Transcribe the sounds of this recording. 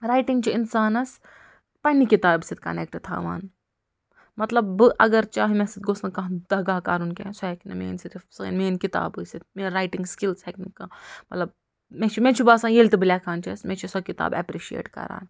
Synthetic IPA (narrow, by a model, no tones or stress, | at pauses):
ɾaːjʈiŋɡt͡ʃʰiinsaːnɐs | pɐnikit̪aːbsit̪̚kɐ̰nḛk̚ʈɨt̪ʰa̰ːʋa̰ːn | mɐt̪lɐbːɨʔɐɡɐɾt͡ʃaːɦimɛ̃sit̪̚ɡosnɐkɐ̃d̪ɐɡaːkaːɾunkesoɛkʰnɐmḛːnsit̪ifsɐḛnmeːnkit̪a̰ːbɨsit̪̚meːnɾaːjʈiŋɡskilseknikːaːmɐt̪lɐb̚ | mẽt͡ʃʰimẽt͡ʃʰibaːsãːjeːlʲt̪ɨbɨlʲaːkʰaːnt͡ʃʰismɛ̃t͡ʃʰisɐkit̪a̰ːbɛ̰pɾiʃiḛːʈkɐ̰ɾa̰ːn